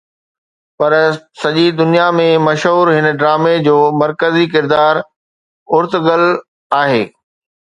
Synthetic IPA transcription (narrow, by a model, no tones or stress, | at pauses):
pɐɾsɐʄid̪ʊnijamẽmɐʃɦuːɾɦɪnə̆ɖɾaːmed͡ʑoːmɐɾkəzikɪɾd̪aːɾ | ʊɾt̪ɡəl | aːɦeː